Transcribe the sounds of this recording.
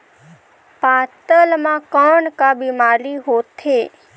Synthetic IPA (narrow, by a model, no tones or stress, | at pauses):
pãt̪əlmãkəɳkabimaliɦot̪ʰe